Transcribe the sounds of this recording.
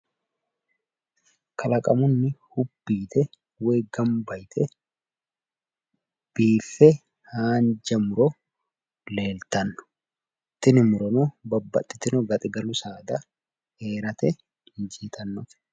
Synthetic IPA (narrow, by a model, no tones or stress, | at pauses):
kʰɐlɐkʼɐmʊnːɪhʊbːiːt̪ʰɛ | weːɡɐmbɐjt̪ʰɛ | b̥iːfɛ | haːnd͡ʒɐmʊɾɔ | le̞ːlt̪ɐnːʊ̥ | ɪt̪ːɪnɪmʊɾɔnɔbɐbːɐ̰t̪ʼːɪt̪ːɪnɔɡɐt̪ʼɪɡɐlʊsaːd̪ɐ | eːɾɐt̪ɛ | ɪnd͡ʒiːt̪ʰɐnːɔf